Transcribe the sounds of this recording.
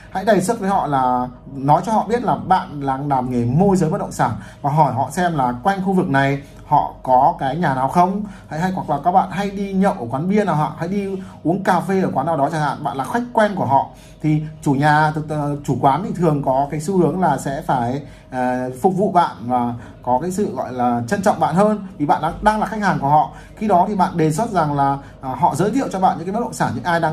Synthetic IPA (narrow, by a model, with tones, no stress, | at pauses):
ha̰˧˥jɗə˨˩jswə˦˥t̚vəː˨˦jhɔ̰˧˨laː˨˩ | nɔ˨˦jt͡ɕɔ˧hɔ̰˧˨ɓi˦˥ət̚laː˨˩ɓa̰ː˧˨nlaː˨˩ŋlaː˨˩mŋe˨˩mo˧jzəː˨˦jɓə˦˥t̚ɗə̰˧˨ŋ͡m̥saː˧˩nvaː˨˩ɦɔ˧˩jɦɔ̰˧˨sɛ˧mlaː˨˩kwa˧jŋ̟xu˧vɨ˨˩k̚na˨˩j | hɔ̰˧˨kɔ˨˦kaː˨˦jɲaː˨˩naː˨˩wxə˧wŋ͡mha̰˧˥ha˧jwa˨˧˩k̚laː˨˩kaː˦˥k̚ɓa̰ː˧˨nɦa˧jɗi˧ɲə̰˧˨wʔəː˧˩kwaː˨˦nɓi˧ənaː˨˩wɦa̰ː˧˨˩ha̰˧˥jɗi˧ʔu˨˦əŋkaː˧˩fe˧ʔəː˧˩kwaː˨˦nːaː˨˩wɗɔ˨˦t͡ɕaː˧˩a̰ː˧˨nɓa̰ː˧˨nlaː˨˩xwa˦˥jk̟̚kwɛ˧nku˧˩əɦɔ̰˧˨ | t̪ʰi˨˩t͡ɕu˧˩ɲaː˨˩t̪t͡ɕu˧˩kwaː˨˦nt̪ʰi˨˩t̪ʰɨ˨˩əŋkɔ˨˦kaː˨˦jsu˨˦hɨ˨˦əŋlaː˨˩sɛ̰˧˥faː˧˩j | fʊ˨˩k͡p̚vṵ˧˨ɓa̰ː˧˨nvaː˨˩ | kɔ˨˦kaː˨˦jsɨ̰˧˨ɣɔ̰˧˨jlaː˨˩t͡ɕə˧nt͡ɕɔ̰˧˨wŋ͡mɓa̰ː˧˨nhəː˧nvi˨˩ɓa̰ː˧˨nɗaː˧ɗaː˧ŋlaː˨˩xa˦˥jk̚haː˨˩ŋku˧˩əɦɔ̰˧˨ | xi˧ɗɔ˨˦t̪ʰi˨˩ɓa̰ː˧˨nɗe˨˩s̬wə˦˥t̚za˨˩ŋlaː˨˩ | ɦɔ̰˧˨zəː˨˦t̪ʰḭ˧˨əwt͡ɕɔ˧ɓa̰ː˧˨nɲɨ̰˧˥aː˨˦m̚˦˥ɗə̰˧˨saː˧˩nɲɨ̰˧˥ŋʔaː˧jɗaː˧